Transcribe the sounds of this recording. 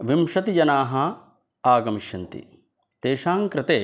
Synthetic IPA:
ʋimʃɐt̪ijɐnaːɦɐ | aːɡɐmiʃjɐnt̪ḭ | t̪eːʃaːŋkɾɪt̪eː

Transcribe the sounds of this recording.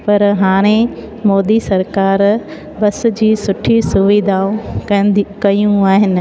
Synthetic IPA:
pɐɾɦaːɽ̃ẽ | moːd̪isɐɾkaːɾ | bɐsʊ̆d͡ʑiːsʊʈʰisʊʋid̪ʱaːõɐkɐjũaːɦɪnɪ̆

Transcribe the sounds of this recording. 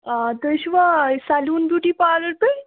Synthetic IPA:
ad̪əɕʋasaluːnbuʈiːpaləɾt̪əj

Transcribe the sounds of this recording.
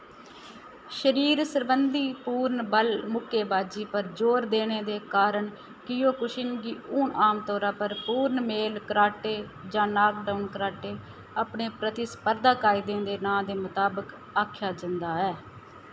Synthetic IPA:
ʃəɾiːɾsəɾbənd̪iːpuːɾnbəlmʊkʰeːbaːd͡ʒiːpəɾd͡ʒoːɾd̪eːneːd̪eːkaːɾəɳ | kɪjoːkʊʃɪŋɡiːuːɳaːmt̪ɔːɾãːpəɾpuːɾnmeːlkəɾaːʈeːd͡ʒãːnaːkɖaʊnkəɾaːʈeː | apɳeːpɾət̪ɪisə̥pəɾd̪ãːkaːɪd̪ẽːd̪eːnãːd̪eːmʊt̪aːbək | aːkʰjaːd͡ʒə̃nd̪aːɛː

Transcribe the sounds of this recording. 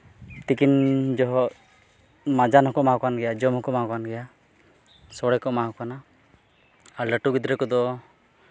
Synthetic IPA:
t̪ikind͡ʒɔɦɔ | mad͡ʒanɦɔkɔmaɦɔkanɡɛjad͡ʒɔmɦɔkɔmaɦɔkanɡɛja | sɔɽɛkɔmaɦɔkana | aɾləʈuɡid̪ɾɛkɔd̪ɔ

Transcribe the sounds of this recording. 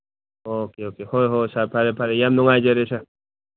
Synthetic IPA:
okeokehoɦosapʰaɾepʰaɾejamnʊŋajd͡ʒeɾet͡ʃʰa

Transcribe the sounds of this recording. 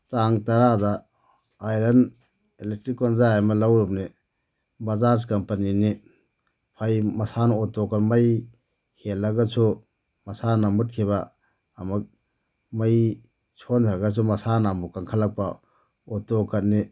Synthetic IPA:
taŋtɐɾada | ajlɐn | elek̚tɾikːɔnzaajmɐlawɾumni | bɐzaskɐmpanini | pʰajmɐsanɔɔtokanmaj | helːɐɡɐsʰu | mɐsanamut̚kʰiβaː | mak̚ | mɐj | t͡ʃʰondʰaɾɐɡas̬ʰumɐsanamukaŋkʰalːɐk̚pɐ | ɔtokʰɐt̚ni

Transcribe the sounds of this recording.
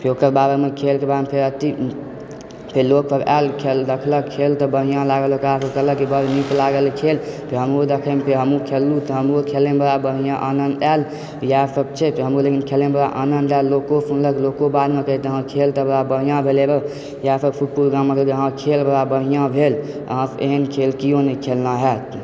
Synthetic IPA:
pʰeɾokəɾbaɾemekʰelkebad̪mpʰeɾət̪i | pʰeɾloksəba̰lkʰeld̪əkʰləkkʰːelt̪əbəɽ̤ijãlaɡəlokəɾapʰeɾkələkibəɾnit̪laɡəlkʰelpʰeɾɦəmɾod̪ekʰəmepʰeɾɦəmukʰelːut̪ɔɦəmɾokʰelebəɾabəɦijãʔanənd̪ɛl | jasəb̚t͡ʃʰɛpʰeɾɦəmɾolekinkʰelenbəɾaʔanənd̪ɛllːokopʰunləklokobad̪mekəɦit̪əɦãkʰelt̪əbəɾabəɽ̤ijãbʱelebə | japʰeɾpʰuʈ̚pʰulɡãməkekəɦãkʰelbəɾabəɽ̤ijãbʱelə̰ɦãḛɦənkʰelkijonɛkʰelnaɦɛt̪

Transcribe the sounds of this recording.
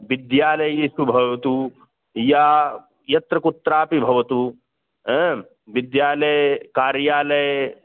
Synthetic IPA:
ʋɪd̪jaːlɐjjiːsubʱɐʋɐt̪u | ja | jɐt̪ɾɐkut̪ːɾaːpibʱɐʋɐt̪u | ɦɛ̃ | ʋɪd̪jaːlɐjkaːɾjaːlɐj

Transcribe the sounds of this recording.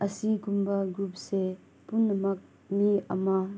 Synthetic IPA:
ʔɐsiɡumbaɡɾup̚se | punːɐmɐk̚ | miɐ̰ma

